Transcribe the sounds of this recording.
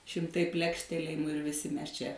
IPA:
ʃʲɪmˈtɐɪ ˈpʲlʲæːkʃʲtʲɛlʲeːjɪmʊ ɪr ʋʲɪˈsʲɪ ˈmʲɛs ˈt͡ʃʲɛ

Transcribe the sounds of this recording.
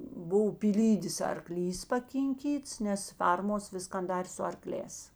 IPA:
ˈbʊw pʲiːˈlʲiːdʲeːs ɐrˈklʲiːs pɐkʲɪŋʲˈkʲiːts nʲɛs ˈfʲɛrmoːs ˈʋʲɪskɐn ˈdɑːrʲeː sʊ ɐrˈklʲɛːs

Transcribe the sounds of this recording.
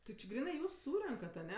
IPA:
tʲɪ t͡ʃʲɪ ˈɡrʲiːnɜ ˈjuːs ˈsuːrʲɛŋkɐt ɐˈnʲɛ

